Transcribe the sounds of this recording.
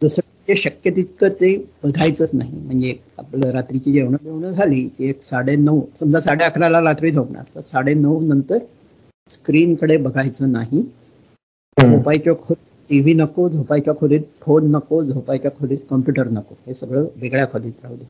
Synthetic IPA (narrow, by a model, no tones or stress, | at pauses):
d̪usɾ | d͡ʑeɕəkjət̪it̪kət̪ebəɡʱajt͡səːt͡snaɦḭm̤əɳd͡zeka̰pləɾat̪ɾit͡ɕiːd͡ʑeʋɳədeʋɳəd͡zʱaliːt̪ieksaɽenəʋsəmd͡zasaɽeəkʰɾalaɾat̪ɾiːd̪ʱopɳa̰ɾt̪əsaɽenəwnənt̪əɾ | skɾiːnkəɽebəɡʱajt͡səːnaɦi | d͡zʱopajt͡ɕjakʰoɾiːʈiʋiːnəkod͡zʱopajt͡ɕjakʰoɾiːt̪̚fʰonːəkod͡zʱopajt͡ɕjakʰoɽiːt̪kəmpjuʈəɾnəkoɦesəɡɭəːbeɡɭjafəd̪iːt̪̚ɾaʋd̪i